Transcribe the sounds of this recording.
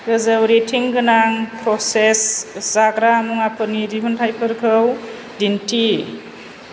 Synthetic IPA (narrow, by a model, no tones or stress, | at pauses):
ɡɯzɯwɾetʰiŋɡɯnaŋpɾɔseszaɡɾamuŋapʰɯɾniɾiɦuntʰajpʰɯɾkʰɯw | dintʰi